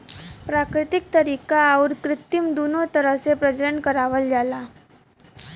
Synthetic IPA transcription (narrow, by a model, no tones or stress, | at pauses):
pɾakɾit̪ik̚t̪əɾikaːwɾkɾɪt̪ːimd̪unot̪əɾəsepɾəd͡ʒəɾənkəɾaʋəld͡ʒala